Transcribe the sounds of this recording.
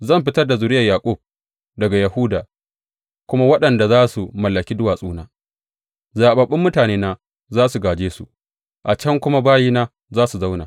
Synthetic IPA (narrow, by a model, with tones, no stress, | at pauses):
zɐ˦˨mɸɪ˦tɐ˦rda˨zʊ˨ɾɪ˦jɐ˨jaː˨kʷʼʊ˦˨b̚ | dɐ˨ɡa˨jɐ˨hu˦daː˨ | kʷʊ˦ma˦wɐ˦ɗɐ˨nda˨zaː˦su˨mɐ˨lːɐ˨kʲiː˦dʊ˦waː˨sʼuː˦naː˦ | zaː˨ɓɐ˨ɓɪ˦mːʊ˦taː˨neː˦naː˦ | zaː˦su˨ɡaː˨d͡ʒeː˦sṵ˨ | ʔa˨t͡ʃɐ˦ŋkʷʊ˦ma˦baː˦jiː˦naː˦ | zaː˦su˨za˦wna̰˨